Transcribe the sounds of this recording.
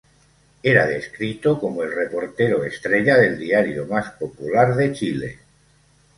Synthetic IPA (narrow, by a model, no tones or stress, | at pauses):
e̞ɾaðe̞skɾit̪oko̞moe̞lre̞po̞ɾt̪e̞ɾoest̪ɾe̞ʎaðe̞ld̪iaɾjomaspopulaɾðe̞t͡ʃilḛ